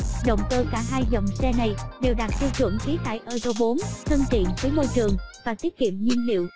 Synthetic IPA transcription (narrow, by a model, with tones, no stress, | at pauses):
ɗə̰˧˨wŋ͡mkəː˧kaː˧˩ɦaː˧jzə˨˩wŋ͡msɛ˧na˨˩jɗe˨˩wɗa˨˩t̚t̪i˧wt͡ɕwə̰˧˩əŋxi˨˦t̪a̰ː˧˨jʔəː˧zo˧ɓo˨˦nt̪ʰə˧nt͡ɕḭ˧˨nvəː˨˦jmo˧jt͡ɕɨ˨˩əŋvaː˨˩t̪i˦˥ət̚kḭ˧˨əmɲi˧nlḭ˧˨əw